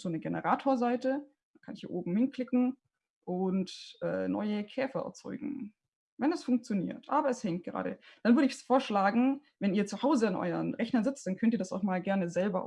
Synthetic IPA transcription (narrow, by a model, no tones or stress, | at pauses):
z̥oːnəɡenə̰ʁaːtʰoːɐzaɪtə | d̥akʰanɪçhiːɐʔoːbm̩hɪnklɪkŋ̩ | ʔʊntʔɛ̰ːnɔ̰ʏəkʰɛːfɐʔɛ̰ɐt͡sɔ̰ʏɡŋ̩ | vɛnɛsfʊŋk̚t͡sjonḭːɐtʰʔaːbɐɛshɛŋkt̚ɡ̥əʁa̰ːɾə̰d̥anvʏɐɾəɪçsfoːɐʃlaːɡŋ̩ | vɛniːɐt͡suhaʊzəanʔɔ̰ʏɐnʁɛçnɐzɪt͡st̚d̥ankʰœntiɐdasaʊxmaːlɡɛɐnəzɛlbɐ̰ʔ